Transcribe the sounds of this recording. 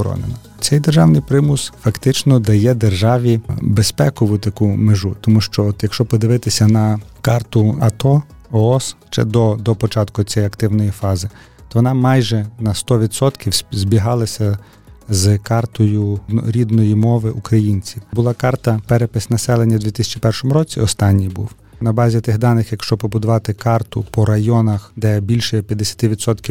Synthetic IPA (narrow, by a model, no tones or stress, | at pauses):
ɾɔ̰nenɐ | t͡ssʲɛjd̪erʒɑwnɪjpɾɪmʊsfɐkt̪ɪt͡ʃnɔd̪ɐjɛd̪erʒɑʋʲibespɛkɔʋʊt̪ɐkumeʒut̪ɔmuʃt͡ʃɔɔt̪jɐkʃt͡ʃɔpɔd̪ɪʋɪt̪ɪsʲɐnɐkɑrt̪ʊɐt̪ɔ | ɔɔsʃt͡ʃɛ̰d̪ɔd̪ɔpɔt͡ʃɑt̪kʊt͡sʲɛjɐkt̪ɪwnɔjifɑzɪ | t̪ɔʋɔnɑmɑjʒɛnɐst̪ɔʋʲid̪sɔt̪kʲiwzʲbʲiɦɑlˠɐsʲɐ | zkɑrt̪ɔjʊɾʲid̪nɔjimɔʋɪʔukɾɐjinʲt͡sʲiwbʊlˠɑkɑrt̪ɐpɛɾepɪsʲnɐsɛlˠenʲːɐd̪ʲʋʲit̪ɪsʲɐ̥t͡ʃipɛrʃɔmʊɾɔt͡sʲiɔst̪ɑnʲːijbṵw | nɐbɑzʲit̪ɪɦd̪ɑnɪxjɐkʃt͡ʃɔpɔbʊd̪ʊʋɑt̪ɪkɑrt̪ʊpɔɾɐjɔnɐxd̪ɛbʲilʲʃɛpʲjɐd̪ːesʲɐ̥t̪ɪʋʲid̪sɔt̪kʲi